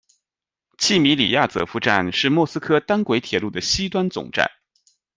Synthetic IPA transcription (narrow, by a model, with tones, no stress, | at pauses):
t͡ɕʰi˥˩mi˧˥lḭ˨˩ja˥˩t͡sɤ̰˧˥fu˧ʈ͡ʂa̰˥˩nʂɻ̩˥˧mwɔ˥˩sɹ̩˥kʰɤ˥t̪a˥nkwe˧˥ɪt̪ʰjɛ˨˩lu˥˩d̪ə˩ɕi˥t̪wa˥nt͡sʊ̰˨˩ŋʈ͡ʂa̰˥˩n